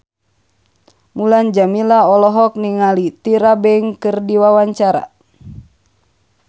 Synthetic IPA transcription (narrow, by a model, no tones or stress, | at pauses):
muland͡ʒamilaɔlɔɦɔk̚niŋalit̪iɾabɛiŋkɨrdiwawaɲt͡ʃaɾa̰